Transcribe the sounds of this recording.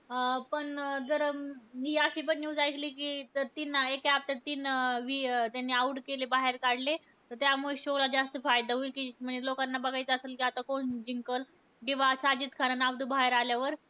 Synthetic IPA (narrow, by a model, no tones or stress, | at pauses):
pəɳd͡zəɾɦiːəɕiːpəɳnuːd͡zajkʰliːkiːt̪əɾt̪iːnaekap̚t̪at̪iːnʋit̪janːiːauʈkelebaɦeɾkaɽle | t̪əɾt̪jamuɭeɕoɡlad͡ʑast̪əfajd̪aɦuikiːm̤əɳelokanːabəɡʱajt͡səselkiat̪akoɳd͡ʑiŋkəl | kĩʋasad͡ʑiːt̪kʰaɾənaʋd̪ʱubʱaɦeɾaljaʋəɾ